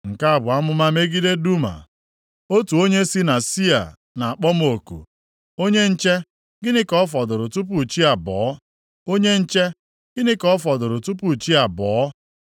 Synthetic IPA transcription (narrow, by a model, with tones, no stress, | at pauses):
ŋ̩˨ka˦a˨bʊ˨a˦mʊ˦ma˦me˦ɡi˦de˦du˦ma̰˨ | o˦tu˨o˦ɲe˦si˦na˨si˦a̰˨ | na˨a˨k͡pɔ˦m˦o˨kṵ˨ | o˦ɲe˦n̩˦t͡ʃe˦ | ɡɪ˦nɪ˦kfɔ˨dʊ˨ɾʊ˨tu˦p̬u˨t͡ʃi˦a˨bɔː˨˦ | o˦ɲe˦n̩˦t͡ʃe˦ | ɡɪ˦nɪ˦kɔ˦fɔ˨dʊ˨ɾʊ˨tu˦pu˨t͡ʃi˦a˨bɔː˨˦